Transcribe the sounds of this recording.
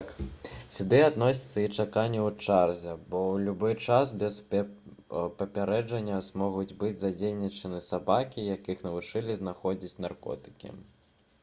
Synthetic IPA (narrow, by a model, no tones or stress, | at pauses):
ksʲud̪ɨad̪nɔsʲi̥t̪sːɐit͡ʂakanʲːɛwt͡ʂarzʲɐbɔwlʲubɨt͡ʂasbʲɛs | pɐpʲaɾɛd͡ʐɐnʲːɐzmɔɣud͡zʲbɨd͡zʲzad͡zʲelnʲit͡ʂɐnɨsabakʲijakɨxnɐvut͡ʂɨlʲizn̪axɔd͡zʲit͡sʲnarkɔ̰t̪ɨ̥kʲḭ